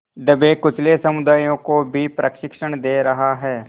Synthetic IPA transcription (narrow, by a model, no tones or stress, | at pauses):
ɖ̪əbeːkʊt͡ʃʰlesɐmʊd̪aːjõkobʱipɾʔəkʃɪkʃəɳ̃d̪eːɾɐɦaɦɛː